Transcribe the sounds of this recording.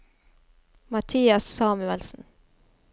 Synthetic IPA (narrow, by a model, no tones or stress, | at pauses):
mɑt̪ʰiːɑssɑːmʉɛlsn̩